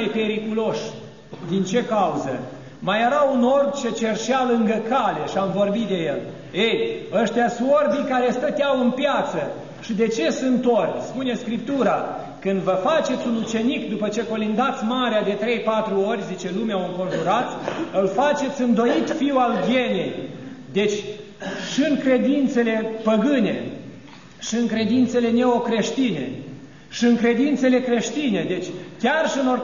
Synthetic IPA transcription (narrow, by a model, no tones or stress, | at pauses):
ejpe̞ɾikulo̞ʃ | d̪int͡ʃe̞kauzə̰ | majeɾauno̞rt͡ʃe̞t͡ʃe̞rʃealɨŋɡəkale̞ʃiamvo̞rbit̪d̪e̞je̞l | ejəʃt̪easuorbikaɾe̞st̪ət̪jawɨnpjat̪sə | ʃid̪e̞t͡ʃe̞sɨnt̪o̞rʲspune̞skɾip̚t̪uɾa | kɨnd̪vəfat͡ʃe̞t̪sʲunut͡ʃe̞nikd̪upət͡ʃe̞ko̞lind̪at̪sʲmaɾead̪e̞t̪ɾe̞jpat̪ɾuo̞rʲzit͡ʃe̞lumeauŋko̞nʒuɾat̪sʲɨlfat͡ʃe̞t̪sʲɨnd̪o̞it̪fiwalɡje̞ne̞jd̪e̞t͡ʃʲ | ʃiɨŋkɾe̞d̪int̪se̞le̞pəɡɨne̞̰ | ʃiɨŋkɾe̞d̪int̪se̞le̞ne̞o̞kɾe̞ʃt̪ine̞̰ | ʃiɨŋkɾe̞d̪int̪se̞le̞kɾe̞ʃt̪ine̞d̪e̞t͡ʃʲkʲarʃiɨno